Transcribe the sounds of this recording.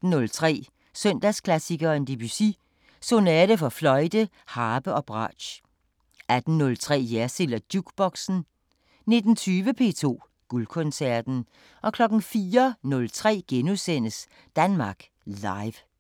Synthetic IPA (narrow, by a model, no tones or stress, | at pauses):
n̩ːɔlt͡sʰʁɛ̰ː | sœn̰d̥æskʰlæsiɡ̥ɐend̥ib̥ysi | so̝nɛːɾ̥əfɒ̽flɒ̽ɪd̥ə | hɑ̈ːb̥əʔɒ̽b̥ʁɑ̰̥̈ːɕ | æd̥n̩ːɔ̽lt͡sʰʁɛ̰ːjæɐselɐd̥juɡ̥b̥ɒ̽ɡ̥sn̩ | ne̝d̥n̩t͡sʰyːʋəpʰe̝̰ːt͡sʰo̝̰ː | ɡ̥ulkʰɔ̽nsæɐd̥n̩ | ʔɒ̽kʰlɒ̽ɡ̥n̩fiːɐnɔ̽lt͡sʰʁɛ̰ːɡ̥enusen̰əs | d̥ænmɑ̈ːɡ̥ | lɑ̈ɪʋ